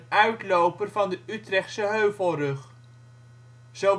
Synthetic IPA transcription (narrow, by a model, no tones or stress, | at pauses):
œɥtlowpərvɑndəytrɛχtsəɦøɥvəlˠrɵχ | z̥o